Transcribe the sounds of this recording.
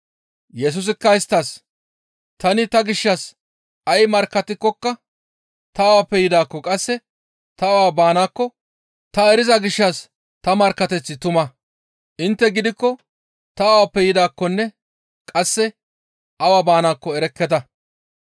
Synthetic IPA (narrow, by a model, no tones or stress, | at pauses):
jɛs̬ʊs̬ɪkːɐɪst̪ːɐs | t̪ɐnɪt̪ɐɡɪʃːɐs | ɐjmɐɾkːɐt̪ɪkːɔkːɐ | t̪ɐwaːpːɛjɪd̪aːkːɔkʼɐsːɛ | t̪ɐwaːbaːnaːkːɔ | t̪ɐɛɾɪzɐɡɪʃːɐs | t̪ɐmɐɾkːɐt̪ɛt͡sːɪt̪ʊmɐ | ʔɪnt̪ːɛɡɪd̪ɪkːɔ | t̪ɐːwaːpːɛjɪd̪aːkːɔnːɛ | kʼɐsːɛ | ʔɐwaːbaːnaːkːɔɛɾɛkːɛt̪ɐ